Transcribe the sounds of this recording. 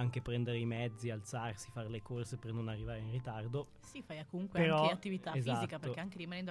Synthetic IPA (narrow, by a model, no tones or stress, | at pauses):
aŋk̟epɾɛnd̪eɾeimɛd̪zːialt̪sarsifaɾelekorsepernonarːivaːɾeinrit̪ard̪o | sifajakːomuŋkwepeaɾɔat̪ːivit̪aefziatitkapeɾokkeaŋk̟eɾimanɛnd̪o